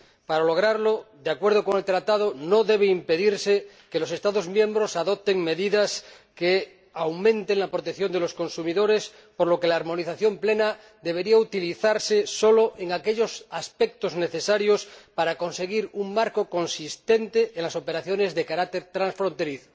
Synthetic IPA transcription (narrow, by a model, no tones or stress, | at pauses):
paɾalo̞ɣ̞ɾaɾlod̪eakwe̞ɾð̞oko̞ŋe̞lt̪ɾat̪að̞onoðeβ̞eimpe̞ðiɾse | kelo̞se̞st̪aðo̞zmjẽ̞mbɾo̞saðop̚t̪e̞ŋme̞ðiðas | ke | awmẽ̞nt̪eŋlapɾot̪ekθjo̞nd̪elo̞sko̞nsumiðo̞ɾe̞s | poɾlo̞ke̞laːɾmõ̞niθaθjo̞mplena | d̪e̞βe̞ɾiaut̪iliθaɾseso̞loʔeŋake̞ʎo̞saspek̚t̪ozne̞θe̞saɾjospaɾako̞nse̞ɣiɾuŋmaɾkoko̞nsist̪ent̪eenlaso̞pe̞ɾaθjo̞nezðekaɾak̚t̪e̞ɾt̪ɾãnsfɾont̪e̞ɾiθo̥